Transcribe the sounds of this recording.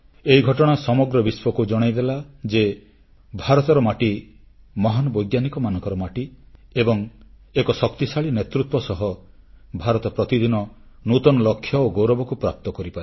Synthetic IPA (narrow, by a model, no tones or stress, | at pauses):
eiɡʱɔʈɔɽ̃asɔmɔɡɾɔbiswɔkud͡ʒɔɽ̃ajd̪elad͡ʒe | bʱaɾɔt̪ɔɾɔmaʈi | mɔɦanɔbɔjɡjanikɔmanɔ̃ŋkɔɾɔmaʈiebɔŋ | ekɔsɔkt̪isaɭinet̪ɾut̪wɔsɔɦɔ | bʱaɾɔt̪ɔpɾɔt̪id̪inɔ | nut̪ɔnɔlɔkʰːjɔoɡowɾɔbɔkupɾap̚t̪ɔkɔɾipaɾe